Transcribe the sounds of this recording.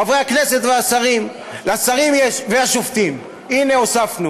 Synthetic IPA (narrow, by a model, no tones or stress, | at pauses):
avʁeaknese̞t̪veasaʁim | leasaʁimjeʃveaʃoft̪im | ine̞osafnu